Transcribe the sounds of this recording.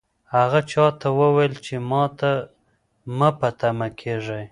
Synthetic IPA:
haɣat͡ʃɑt̪awəwajlt͡ʃemɑt̪a | məpat̪amakʰeʐaj

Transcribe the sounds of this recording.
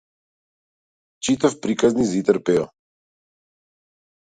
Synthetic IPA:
t͡ʃit̪afpɾikaznizit̪ɛɾpɛɔ

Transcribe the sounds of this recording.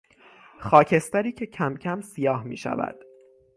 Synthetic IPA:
xɒːcʰe̞st̪æɾiːcʰe̞cʰæmcʰæmsijɒːhmḭːʃæ̰væ̰d̪̥

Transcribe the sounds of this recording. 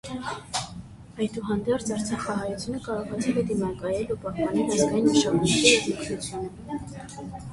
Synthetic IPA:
ɑjd̪uɦɑnd̪ɛɾt͡sʰɑɾt͡sʰɑχɑɦɑjut͡sʰjunəkɑɾɔʁɑt͡sʰivɛd̪imɑkɑjɛlupɑhpɑnɛlɑzɡɑjinʃɑmunkʰiuzuksut͡sʰjunə

